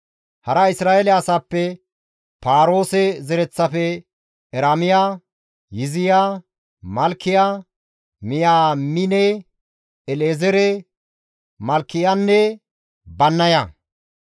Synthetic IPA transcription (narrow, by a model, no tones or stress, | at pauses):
hɐɾɐɪsɾaːelɛɐsaːpːɛ | paːɾo̞ːsɛzɛɾɛt͡sːɐfɛ | ɛɾamɪjaː | jɪzɪjaː | mɐlkːɪjaː | mɪjaːmɪnɛ | ɛleːzɛɾɛ | mɐlkːɪjanːɛ | bɐnːɐja